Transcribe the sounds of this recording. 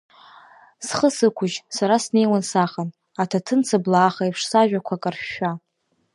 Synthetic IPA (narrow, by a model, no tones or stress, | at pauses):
sχəsɨkʷʰʊʒsaɾasne̞jwansaχan | atʰatʰɨnt͡sʰablaːχaipʰʂsaʒᶣakʷʰakʼarʃᶣa